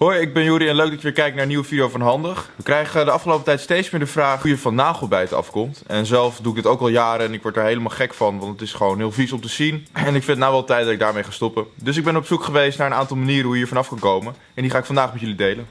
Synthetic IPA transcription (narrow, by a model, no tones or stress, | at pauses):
ɦojɪɡ̚bɛnjuɾiɛnløɥkɡ̚dɑtjəʋɪːɹkɛjk̚naɹəniwəvidijowfɑnɦɑndəχʋəkrɛjχədəɑfχəlowpətɛjtstejtsmɪːɹdəvraːχujəvɑnnːaːχəl̩ˠbɛjtɑ̰fkɔmtɛnzɛlˠfduɪɡdɪtowkɑlˠjaːɾəɛnɪkʋɔɹtdaːɹɦejləmaːlˠχɛkfɑnʋɑntətɪsχəʋownɦɪːlˠfisɔmtəz̥inɛnɪkfɪndənawʋɛlˠtɛjt̚dɑtɪɡ̚daːɹmejχaːstɔpədɵs̬ɪɡ̚bɛnɔpsukχəʋejstnaːɹəna̰ːntɑlˠmaniːɾənɦuɦiːəɹvɑnɑfkɑnkowmən | ɛndiχaːɪkfɑndaːχmɛtjɵlidejlən